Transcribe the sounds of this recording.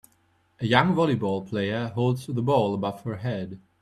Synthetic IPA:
əjʌ̃ŋvɑlˠibɔlˠpʰl̥eɪə˞ɦoʊlˠdzðəbɔlˠəbʌv̥hə˞ɦɛd̥

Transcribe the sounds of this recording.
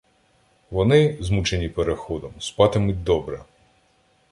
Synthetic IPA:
ʋɔnɪzmut͡ʃenʲipeɾexɔd̪ɔmspɑt̪ɪmʊd̪ɔbɾɛ̰

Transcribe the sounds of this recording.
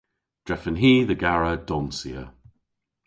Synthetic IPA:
d̥ɹ̥ɛfə̃nɦiːðəɡaɹəd̥ɔnsiə

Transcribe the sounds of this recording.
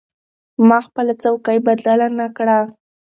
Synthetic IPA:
mɑxpəlat͡sawkajbad̪lalanakɽa

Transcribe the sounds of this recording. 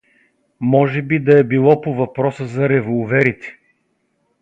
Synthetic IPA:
mɔʒɛbid̪ɐɛbilˠɔpovɐpɾɔsəzɐɾɛvolˠvɛɾit̪ɛ̥

